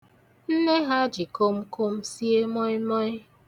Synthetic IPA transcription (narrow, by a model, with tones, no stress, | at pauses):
n̩˦ne˦ɦa˦d͡ʒi˨ko˦m̩˦kʰo˦m̩˦si˦e˦mɔ˦mɔ˦ɲ˦